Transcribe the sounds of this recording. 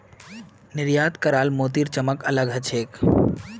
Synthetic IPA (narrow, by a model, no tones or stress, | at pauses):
nɪɾjaːt̪kəɾaːlmoːt̪iɾt͡ʃəməkələɡɦət͡ʃʰeːk